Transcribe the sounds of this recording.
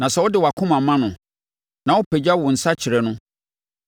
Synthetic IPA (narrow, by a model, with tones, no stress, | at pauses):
nã˨sɛ˦wɔ˦dɪ˨wa˨kʰʊ̃˦mã˨mã˦nʊ̃˨ | nã˨wʊ˦pʰe˨d͡ʑa˦wʊ˨n̩˨sa˦t͡ɕʰɪ˨ɾɛ˨nʊ̃˦